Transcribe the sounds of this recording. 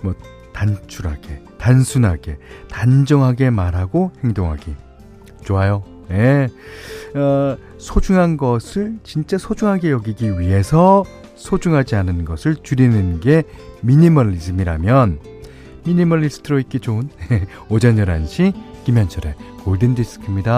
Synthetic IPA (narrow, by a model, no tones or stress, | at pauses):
mwʌ | tant͡ɕʰuɾɦaɡe̞ | tansʰunɦaɡe̞tand͡ʑʌŋɦaɡe̞maɾɦaɡohe̞ŋdoŋɦaɡi | t͡ɕoajo | je̞ | ʌ | sʰod͡ʑuŋɦanɡʌsʰɯɭt͡ɕint͡ɕ͈asʰod͡ʑuŋɦaɡe̞jʌɡiɡiɥiɦe̞sʰʌ | sʰod͡ʑuŋɦad͡ʑianɯnɡʌsʰɯɭt͡ɕuɾinɯnɡe̞miɲimʌɾisɯmiɾa̰mjʌn | miɲimʌlːisʰɯ̥tʰɯɾoik͈et͡ɕonje | od͡ʑʌɲjʌɾanɕʰikimjʌnt͡ɕʰʌɾe̞ | oɭdɯndis͈ɯ̥kʰɯmɲida